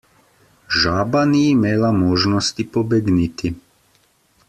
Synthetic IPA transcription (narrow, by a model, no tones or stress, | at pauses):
ʒaːbaniːimeːlamoːʒnost̪ipobɛɡnit̪i